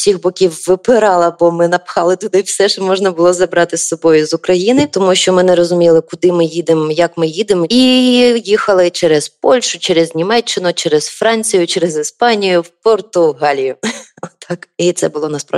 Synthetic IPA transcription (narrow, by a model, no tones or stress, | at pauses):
sʲixbɔkʲiwːɪpɪɾɑlˠɐbɔmɪnɐpxɑlˠɪt̪ʊd̪ɪwsɛʃɛmɔʒnɐbʊlˠɔzɐbɾɑt̪ɪsːɔbɔjʊzʊkɾɐjinɪt̪ɔmuʃt͡ʃɔmɪnɛɾɔzʊmʲilˠɪkʊd̪ɪmɪjid̪ɪmjɐkmɪjid̪ɪmijixɐlˠɪt͡ʃɛɾɛzpɔlʲʃʊt͡ʃɛɾɛzʲnʲimɛt͡ʃːɪnʊt͡ʃɛɾɛzfɾɑnʲt͡sʲijʊt͡ʃɛɾezispɑnʲijʊwpɔrt̪ʊɦɑlʲijʊɔt̪ɑkit̪sɛbʊlˠɔnɐspɾa̰